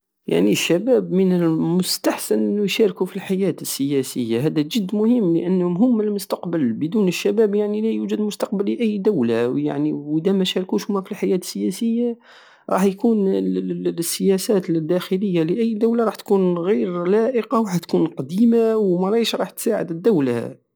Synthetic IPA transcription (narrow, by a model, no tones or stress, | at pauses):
ja̰ʕniʃːæbæbmənəlmʊst̪aħsənʔənːujʃɑɾkufilħajæt̪əsːəjæsəjːahæd̪æʒəd̪ːmʊhəmːlə̰ʔənːmɦʊmːəlmʊst̪ɑqbəlbəd̪uːnəʃːæbæbjaʕnilæjuʒəd̪mʊst̪ɑqbəlːiʔæjːd̪awlaja̰ʕniəd̪æmæʃɑɾˤkuʃhʊmːæfilħajæːt̪ə̥sːəjæsəjːa | ɾˤɑːħjkuːn | sːəjæsæt̪d̪ːæxələjːaləʔæjːd̪awlaɾˤɑːħt̪kunɣiɾlæʔəqɑwħæt̪kunqɑd̪imawmæɾˤɑʃɾˤɑːħt̪saʕə̰d̪əd̪ːawla̰